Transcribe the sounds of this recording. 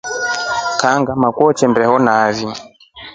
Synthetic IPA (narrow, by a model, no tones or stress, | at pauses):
kaŋɡamakuɔt͡ʃɛmbɛhɔnaːvi